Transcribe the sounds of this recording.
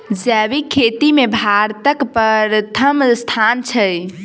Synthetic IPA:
d͡ʒɛβikʰːet̪imebʱaɾt̪əkpəɾt̪ʰəmst̪ʰant͡ʃʰəj

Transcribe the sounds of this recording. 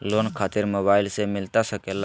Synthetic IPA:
loːnkʰaːt̪ɪɾmoːbaːɪlsemɪlt̪asəkel

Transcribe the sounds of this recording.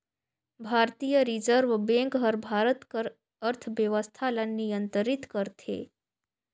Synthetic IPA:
bʱaːɾt̪ijəɾid͡ʒəɾʋbẽŋkɦəɾbʱaːɾət̪kəɾ | əɾt̪ʰʋjəʋəst̪ʰalanijənt̪əɾit̪kəɾt̪ʰḛː

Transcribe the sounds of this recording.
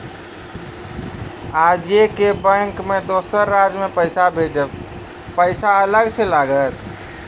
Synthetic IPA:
ad͡ʒekebəŋkmed̪osəɾːad͡ʒmepəɪsabʱed͡ʒə | pəɪsaələɡselaɡət̪

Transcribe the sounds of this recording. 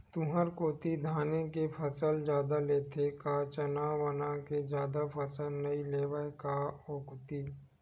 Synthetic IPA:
t̪ʊɦəɾkoːt̪id̪ʱaːnekepʰəsəld͡ʒjaːd̪aleːt̪ʰekat͡ʃənaʋənãked͡ʒjaːd̪apʰəsəlnɐileːʋəekaoːkʊt̪iː

